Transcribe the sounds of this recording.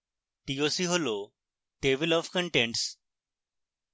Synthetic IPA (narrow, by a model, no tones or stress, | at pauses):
ʈiosiːɦolo | ʈeʋɪlɔfkə̃ɳʈẽɳʈs